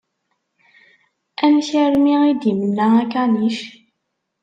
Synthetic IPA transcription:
æmçiɾmiid̪imənːəækaniʃ

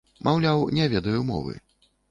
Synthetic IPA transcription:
mʔawlʲawnʲɛvʲɛd̪ɐjumɔ̰vɨ̰

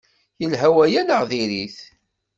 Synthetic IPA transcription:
jəlɦæwæjænəʁðiɾiθ

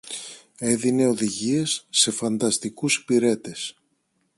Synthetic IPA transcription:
e̞ðine̞o̞ðiʝie̞sːe̞fɐnd̪ɐst̪ikuspiɾe̞t̪e̞s

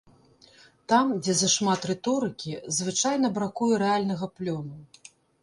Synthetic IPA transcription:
t̪amd͡zʲɛzɐʂmat̪rɛt̪ɔɾɨkʲizvɨt͡ʂajnɐbɾakujɛɾɛalʲnɐɣɐplʲɔnu

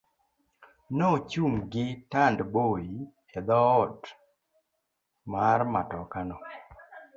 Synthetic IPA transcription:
nɔt͡ʃumɡɪtandboi | ɛd̪ɔɔd | marmatɔkanɔ

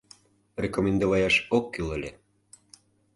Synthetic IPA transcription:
rʲekomʲend̪oβɑjɑʃokːyləlʲe

